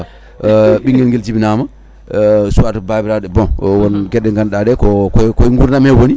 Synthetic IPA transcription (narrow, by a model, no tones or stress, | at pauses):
ɓiŋɡilŋɡild͡ʒibinama | suatbabiɾadɛbɔ̃wɔnɡɛdɛŋɡanɗadɛkɔkkɔjŋɡuɾnamewoni